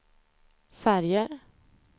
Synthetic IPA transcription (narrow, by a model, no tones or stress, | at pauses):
fæɾjəɾ